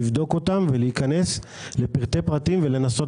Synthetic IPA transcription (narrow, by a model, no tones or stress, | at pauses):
vd̪o̞ko̞t̪amveliːkane̞s | le̞piʁt̪e̞pʁat̪imvele̞naso̞